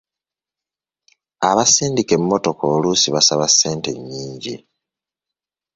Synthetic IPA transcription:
aβasiːndike̞mːo̞to̞koːluːsiβasaβasːe̞ːnte̞ɲːiːɲɟḭ

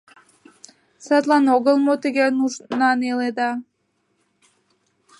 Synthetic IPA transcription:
sɑt̪lˠɑnoɣəlˠmot̪əɡʲænunɑneled̪ɑ

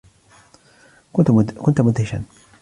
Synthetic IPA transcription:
kʊnt̪mʊd̪hɪʃa̰n

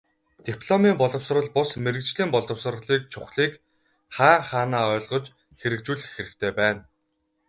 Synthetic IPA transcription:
t̪ipʰɮɔmiːmpɔɮɞ̆ws̆rə̆ɮpʊsmeɾɘ̆kt͡ɕɮiːmpɔɮɞ̆ws̆r̆ɮiːk̚t͡ɕʰʊχɮiːk | χaːŋχaːnaːɔːɮʁɞ̆t͡ɕ | xeɾɘ̆k̚t͡ɕuːɮɘ̆xːeɾɘ̆kt̪ʰeːpæːn

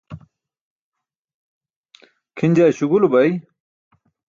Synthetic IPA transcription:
kʰinʲd͡ʑaɕuɡulubɐj

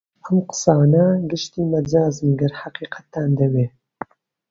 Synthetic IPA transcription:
ʔɐmqɨ̥sɑːnɐɡɪʃt̪iːmɐd͡ʒaːzmɡɐɾħaqiːqɐ̥t̪ːaːnd̪ɐweː

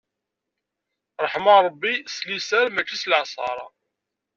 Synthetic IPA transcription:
ɾˤəħmɑɾˤəbːislisæɾmæt͡ʃːislʕsˤɑ̰ɾˤɑ̰

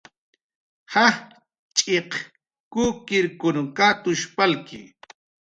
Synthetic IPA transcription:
hah | t͡ʃʼeq | kuːkɪɾkʊnkat̪ʊʃpalkɪ̰

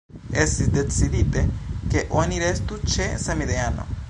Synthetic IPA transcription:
esid̪et͡siðit̪ekeʔoniɾest̪ut͡ʃesamiðeano̰

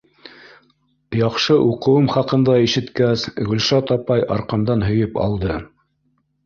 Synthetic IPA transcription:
jɑqʃɤʔuqɤ̆wɤmχɑqɤ̆nd̪ɑiʃɘ̆t̪kæsɡɵ̆lʃɑt̪ɑpɑjɑ̰ɾqɑmd̪ɑnɦɵ̆jɘpɑ̰lˠd̪ɤ

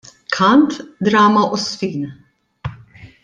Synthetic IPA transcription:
kʰɐnt̪d̪ɾɐːmɐʔɔsfiːn

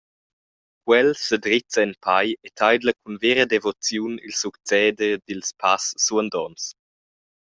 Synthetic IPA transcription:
kwɛlsədɾit͡səɛnpʰajetʰajd̪ləkunveɾədevɔt͡sjunilsukt͡sɛːdədilspʰasːuənd̪ɔns

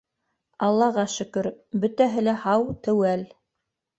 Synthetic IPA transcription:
ɑlˠːɑʁɑʃɵ̆kɵɾbɵ̆t̪æɦɘ̆læhɑwt̪ɘ̆wæl

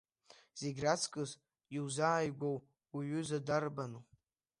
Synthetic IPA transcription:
z̥eɡʲrat͡sʰkʼɨz | iwzaːjɡʷowː | ɥʏzadarbanu

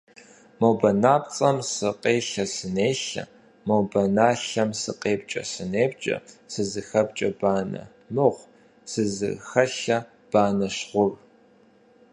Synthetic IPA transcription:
mowbɐnaːpt͡sʼɐmsɨqʼeːɬɐsɨneːɬɐ̰ | mowbɐnaːɬɐmsɨqʼeːp̚t͡ʃʼɐ̰sɨneːp̚t͡ʃʼɐ̰sɨzɨxɐpt͡ʃʼɐbaːnɐ̰ | mɨʁʷ | sɨzɨ̰xɐɬɐ | b̥aːnɐɕʁʷʊr

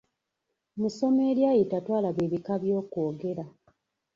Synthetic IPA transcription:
muso̞me̞ːɾjajitatwaːlaβeːβikaβjo̞ːko̞ːɡe̞ɾa

